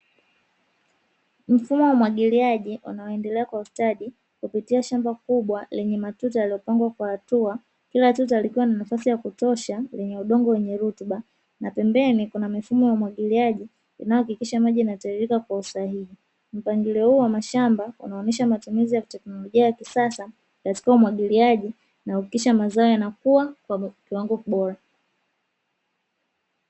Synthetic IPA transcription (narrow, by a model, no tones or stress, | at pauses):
m̩fumɔwaumwaɠiliaʄiʔṵnaɔɛndɛlɛakwaustaɗi | kupitiaʃambakuɓwalɛɲɛmatutajaliɔpaŋɡwakwahatua | kilatut̬alikiwananafasijakutɔʃalɛɲɛuɗɔŋɡɔwɛɲɛɾutuɓa | napɛmbɛnikunamifumɔjaumwaɠiliaʄi | ḭnajɔhakikiʃamaʄinataiɾikakwausahiɦi | m̩paŋɡilɛhuːwamaʃambaṵnaɔnɛʃamatumizijatɛknɔlɔʄiajakisasa | kati̥kaumwaɠiliaʄi | nahakikiʃamazaɔjanakuwakwakiwaŋɡɔkiɓɔɾa